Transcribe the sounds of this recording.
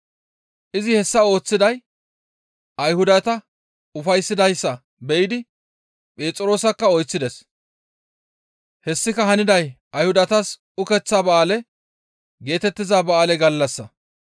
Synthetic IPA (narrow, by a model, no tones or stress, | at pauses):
ʔɪzɪhɛsːɐo̞ːt͡sːɪd̪ɐj | ʔɐjhʊd̪ɐt̪ɐ | ʊfɐjsːɪd̪ɐjsːɐ | bɛʔɪd̪ɪ | pʼe̞ːt͡sʼɪɾo̞ːsɐkːɐɔjt͡sːɪd̪ɛs | hɛsːɪkɐɦɐnɪd̪ɐj | ɐjhʊd̪ɐt̪ɐs | ʊkɛt͡sːabɐʔaːlɛ | ɡe̞ːt̪ɛt̪ːɪzaːbɐʔaːlɛɡɐlːɐsːɐ